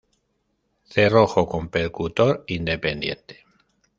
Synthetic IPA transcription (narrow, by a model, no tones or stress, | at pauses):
θe̞roxoko̞mpe̞ɾkut̪o̞ɾind̪e̞pe̞nd̪je̞̰nt̪e̥